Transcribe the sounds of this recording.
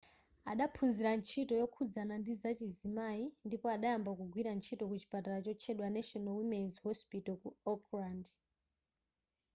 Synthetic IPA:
aɗapʰunziɾant͡ʃʰitɔjɔkʰud͡zanandizat͡ʃizimaindipɔaɗajambakuɡʱwiɾant͡ʃʰitɔkut͡ʃi̥pataɾat͡ʃɔt͡ʃʰɛɗwanaʃɔnawimɛnzhɔspitɔkuɔkrand

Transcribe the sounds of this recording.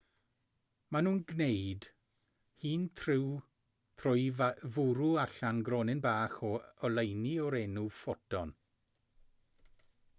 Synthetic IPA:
manuːnɡnejd̥ | hiːntʰrɪw | θʰrʊjvʊɾuaɬanɡrɾɔnɪnbaːχɔɔlˠejniɔɾenufɔtʰɔn

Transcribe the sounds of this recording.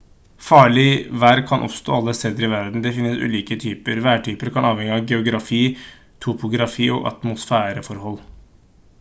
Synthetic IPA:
fɑːɭɪʋæɾkʰɑnʔɔ̰pst̪ɔːɑlːəst̪eːd̪əɾɪʋæɾd̪n̩d̪ɛfɪnːəsʉ̰ːliːkət̪ʰyːpəɾʋæːʈʰyːpəɾkʰɑnɑːʋɛŋːəɑʋɡɛʊɡɾɑfiː | t̪ʰʊpʊɡɾɑfiːɔ̰ɡɑ̰t̪mʊsfæːɾəfɔɾɦɔlː

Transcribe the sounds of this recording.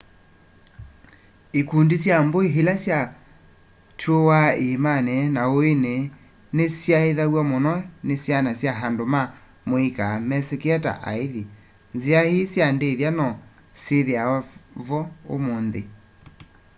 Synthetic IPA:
ekundisjamboiɦelasja | tʰuowaemanɛnaoene | nesjaeðaɣwamonɔnesjanasjaɦandoma | moikamɛsekeɛta̰ʔa̰eði | nziahisjandeðjanɔ | seðeavɔo̰moːnðe

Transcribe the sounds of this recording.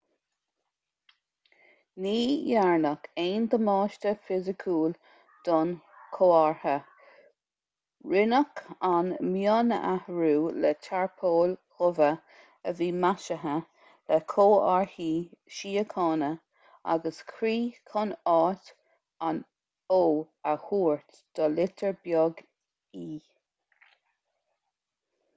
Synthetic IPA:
niːjaɹnəkeːnd̪əmɑːʃtəfɪzəkʰuːl | d̪̥ɔnkʰoːaɹhə | ɹɪnəkʰanmjɑːnə̰ʔahɹuːlɛtʰaɹpʰoːlhʊvə | əviːmaʃəɦə | lɛkʰoːaɹhiːʃiːəkʰɑːnə | a̰ɡəskʰɾiːkʰɔnɑːt | an | oː | əhuːɹt̪ | d̪̥ɔlɪt̪ʰəɹbjɔɡ | iː

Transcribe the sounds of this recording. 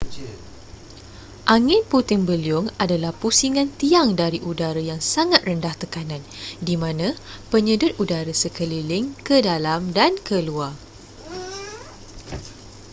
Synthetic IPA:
ʔaŋɪnput̪ɪŋbəliʊŋadalahpusiŋãnt̪iaŋdaɾiʔudaɾəjaŋsaŋat̪̚rəndaht̪əkanãndimãnãpəɲədʊt̪̚udaɾəsəkəlilɪŋkədalamdankəluar

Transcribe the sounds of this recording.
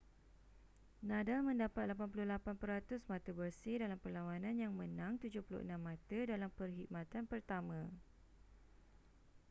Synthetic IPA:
nãdalmə̃ndapat̪̚lapanpulʊhlapanpəɾat̪ʊsmat̪əbərsɪhdalampərlawanãnjaŋmə̃nãŋt̪ud͡ʒʊhpulʊ̰ʔə̰nãmːãt̪ədalampərɦik̚mãt̪anpərt̪amã

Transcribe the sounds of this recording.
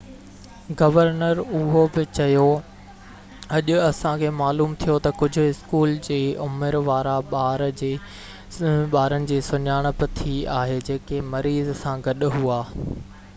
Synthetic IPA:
ɡɐʋəɾnəɾʊɦobɪt͡ɕɐjo | ɐʄʊɐsãkʰeːmaːluːmt̪ʰijot̪ɐkʊd͡ʑʱʊ̆ɪskuːld͡ʑeːʊmɪɾʋaːɾaɓaːɾd͡ʑe | ɓaːɾənɪ̆d͡ʑeːsʊɲaːɽ̃əpɪt̪ʰiaːɦed͡ʑeːkemɐɾiːzsãɡɐɗʊɦuaː

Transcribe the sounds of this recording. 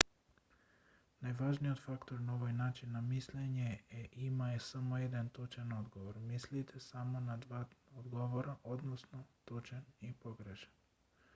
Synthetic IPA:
najʋaʒniot̪fakt̪oɾnaoʋajnaːt͡ʃinːamisleɲeeʔimajesamojed̪ant̪ut͡ʃanod̪ɡoʋoɾmislit̪ʰesamonad̪ʋaod̪ɡoʋoɾaʔod̪nosnot̪ut͡ʃanipoɡɾeʃḁn

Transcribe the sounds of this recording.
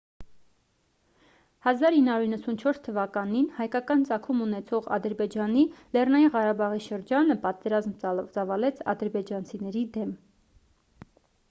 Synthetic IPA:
hɑzɑɾinːhɑɾuɾinːəsunt͡ʃʰɔɾst̪ʰəvɑkɑninhɑjkɑkɑnt͡sɑkʰumunɛt͡sʰɔʁɑ̰d̪əɾbɛd͡ʒɑnilɛrnɑjinʁɑɾɑbɑʁiʃəɾd͡ʒɑnəpɑt̪ɛɾɑzmt͡sɑvɑlɛt͡sʰɑ̰d̪əɾbɛd͡ʒɑnt͡sʰinɛɾid̪ɛm

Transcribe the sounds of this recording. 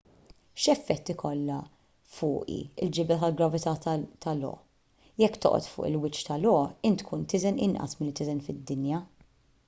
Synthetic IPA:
ʃɛfːɛt̪ːikʰɔlːɐ | fʊːʔḭɪld͡ʒɪbɛt̪ɐlɡɾɐvɪt̪ɐt̪ɐlɔ̰ːʔ | jɛkːt̪ɔ̰ʔɔ̰t̪fʊ̰ːʔɪlwɪt͡ʃːt̪ɐlɔːʔɪnt̪kʰuːnt̪ɪzɛnɪ̰nʔɐ̰smɪlːit̪ɪzɛnfɪd̪ːɪnjɐ

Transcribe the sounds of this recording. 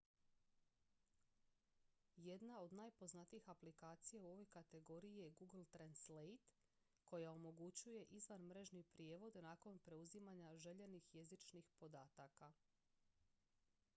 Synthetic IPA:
je̞d̪nao̞d̪naːjpo̞znat̪iixaplikaːt̪sijauo̞ʋo̞jkat̪e̞ɡo̞ɾijeɡuɡl̩ˠt̪ɾanslejt̪ | ko̞jao̞mo̞ɡut͡ɕuje̞ʔizʋanmɾe̞ʒnipɾije̞ːʋo̞d̪naːko̞npɾe̞uzimaɲaʒe̞ʎe̞nixje̞zit͡ʃnixpo̞d̪aːt̪aka

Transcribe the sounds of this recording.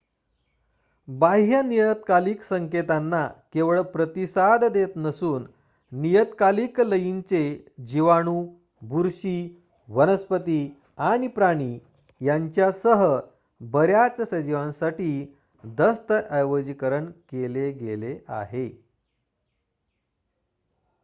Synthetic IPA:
baɦjənijət̪kaliːksəŋket̪anːakeʋɭpɾət̪isad̪d̪et̪nəsuːnː | ijət̪kaliːkləjint͡sed͡ʑiʋaɽ̃uː | bʱuɾɕiː | ʋənəspət̪iː | aɽ̃ipɾaɽ̃i | jaɲt͡ɕjasəɦə | bəɾjat͡ssəd͡ʑiʋãnsaʈiː | d̪əst̪əʔəjʋəd͡ʑikəɾəɳkeleɡelea̰ɦe

